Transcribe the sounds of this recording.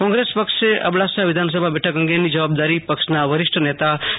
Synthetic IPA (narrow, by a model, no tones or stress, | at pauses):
kɔ̃ŋɡɾespəkʂeʔɐ̰bɽasaʋɪd̪ʱaːns̬əbʱabɛʈʰəkə̃ŋɡenid͡ʒɐʋaːb̚d̪aːɾipəkʃnaʋɐɾɪʃʈʰənet̪a